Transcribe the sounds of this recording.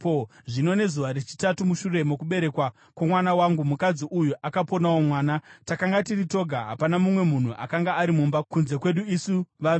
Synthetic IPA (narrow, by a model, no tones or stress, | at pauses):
poʐino̞ne̞zuʋaɾet͡ʃi̥tatumuʃure̞mokuɓe̞ɾe̞kwa | kwamwanawaŋɡumukad͡ziʔujuʔakapo̞naomwaːnatakaŋɡatirito̞ɡʱaɦa̰panamumwe̞mun̤uʔa̰kaŋɡaːɾimumbakunze̞kwe̞ɗuisuʋa